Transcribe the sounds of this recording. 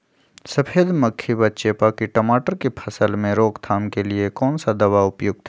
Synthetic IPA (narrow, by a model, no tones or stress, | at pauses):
sɐpʰeːd̪mɐkʰːibɐtːʃepakiʈɐmaːʈəɾkepʰɐsəlmẽɾoːkt̪ʰaːmkeliekɔːnsad̪ɐʋaʊpjʊɡ̚t̪ʰː